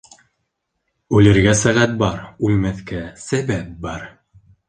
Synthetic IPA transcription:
ʉlɘ̆ɾɡæsæʁæt̪̚bɑɾʉlmæθkæsæbæp̚bɑɾ

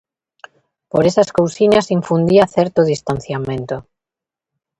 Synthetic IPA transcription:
poɾesɐskowsiɲasiɱfund̪iaθɛɾt̪ʊðist̪an̟θjamẽnt̪ʊ

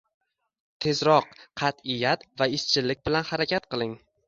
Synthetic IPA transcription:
t̪ʰe̞zɾɒqqʰɑt̪ɪjːat̪vaɪst͡ʃʰɪlɪk̚ʲbɪlanhaɾakʲʰat̪̚qɨlˠɪŋ

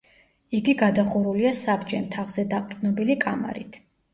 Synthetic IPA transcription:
iɡiɡad̪aχuɾuliasabd͡ʒɛmt̪ʰaʁzɛd̪aqʼɾd̪nɔbilikʼama̰ɾḭt̪ʰ

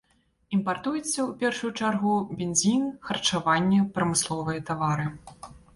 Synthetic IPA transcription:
impart̪ujɛt̪sːɐwpʲɛrʂujut͡ʂarɣubʲenzʲinxɐrt͡ʂavanʲːɛpɾɐmɨslˠɔvɨjɐt̪avaɾɨ

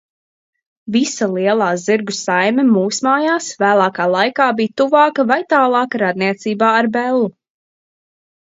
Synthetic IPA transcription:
visalˠiɛlˠaːziɾɡusajmɛmuːsmaːjaːsvæːlˠɑːkaːlˠajkaːbijt̪uvɑːkɐvajt̪aːlˠɑːkaɾad̪̚niɛt̪siːbaːaɾbɛlˠːu

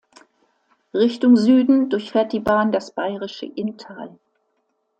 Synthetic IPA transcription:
ʁɪçtʊŋzyːdn̩dʊɐçfeːɐt̚d̥iːbaːndasb̥aɪʁɪʃə̰ʔɪntʰaːl

